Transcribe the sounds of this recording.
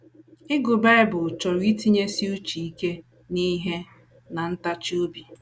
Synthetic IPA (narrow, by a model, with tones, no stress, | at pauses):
ɪ˦ɡʊ˨be˦ɾe˦bʊ˨t͡ʃɔ˨ɾi˦ti˦ɲe˦si˦u˦t͡ʃi˨i˦ke˦ | ni˦ɦe˦ | na˨n̩˦ta˦t͡ʃo˦bi˨